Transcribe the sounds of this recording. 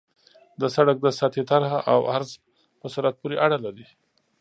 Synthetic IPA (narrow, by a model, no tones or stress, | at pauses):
d̪əsaɽak̚d̪əsɑt̪et̪aɾhaʔawaɾz | pəsuɾat̪̚puɾeʔaɽalaɾi